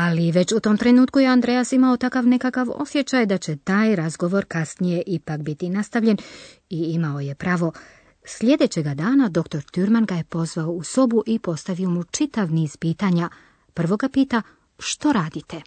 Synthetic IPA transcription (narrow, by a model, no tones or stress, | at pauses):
aliʋe̞t͡ɕut̪o̞ːmt̪ɾe̞nuːt̪̚kujeand̪ɾejasimao̞t̪akaʋne̞kakaʋo̞̰sje̞t͡ɕajd̪at͡ɕe̞t̪aːjɾazɡo̞ʋo̞ɾkasnije̞ʔipakbit̪inast̪aʋʎe̞n | iimao̞je̞pɾaːʋo̞ | sʎʲe̞d̪e̞t͡ɕe̞ɡad̪aːnad̪o̞kt̪o̞ɾt̪uɾmanɡaje̞po̞zʋaouso̞buʔipo̞st̪aʋio̞mut͡ʃit̪aʋniːz̥piːt̪aɲa | pr̩ʋo̞ɡapiːt̪a | ʃt̪o̞ɾaːd̪it̪e̞